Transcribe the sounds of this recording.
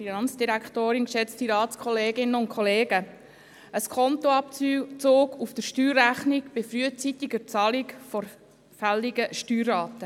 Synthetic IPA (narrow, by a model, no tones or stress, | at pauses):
finɑnt͡sd̥iɾækχtoːɾɪnkʃɛt͡stiɾɑːtt͡skʰχɔleːɡɪnəʊntkʰχɔleːɡə | əskʰɔntoɑpt͡soːɡufd̥əɾʃtyːɾæχniɡb̥ɪfɾyət͡sitiɡəɾt͡sɑlikfɔɾ | fæliɡəʃtyːɾːɑːt̪ə